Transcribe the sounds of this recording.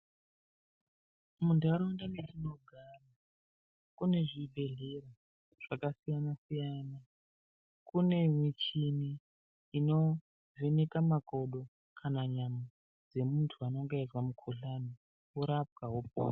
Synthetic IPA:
mundʱaɾondanetinoɡʱama | kune̞ʐibʱe̞ɮera | ʐ̥akasijanasijaːna | kune̞mwit͡ʃiniː | no̞ | venekamakoɗo̞ | kʰanaɲama | d͡ze̞muntʰuano̞ŋɡaiwamukʰuɬani | uɾap̚kaɦop̚o̰ː

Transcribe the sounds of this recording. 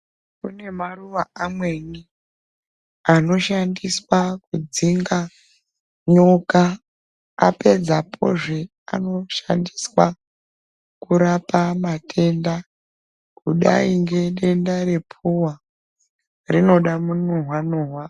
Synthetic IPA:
kune̞maruʋaamwe̞ni | ano̞ʃandiswakud͡ziŋɡa | ɲoka | a̰pe̞d͡zapʰo̞̰ʐe | a̰no̞ʃa̰ndiswa | kuɾapamatʰe̞nda | kuɗa̰iŋɡe̞ɗe̞ndare̞pʰuwa | rino̞ɗamunuɦwanuːɦwa

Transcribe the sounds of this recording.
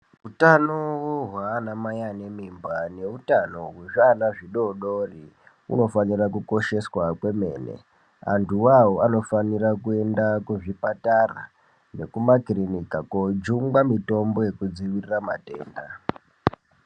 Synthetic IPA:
utanowoɦwaːnamajanemimbane̞utano̞ɦweʐanaʐiɗo̞ɗori | ṵno̞fanirakuko̞ʃe̞swakwe̞me̞ːne̞̰ | a̰ntʰuwawoano̞fanirakue̞ndakuʐipatara̰ | ne̞kumakirinikakod͡ʒuŋɡamito̞mbo̞je̞kud͡ziʋirirama̰te̞̰ːnda

